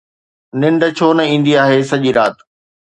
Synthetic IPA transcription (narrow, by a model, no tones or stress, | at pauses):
nɪ̃ɳɖt͡ɕʰoːnɐĩːnd̪iaːɦesɐʄiɾaːt̪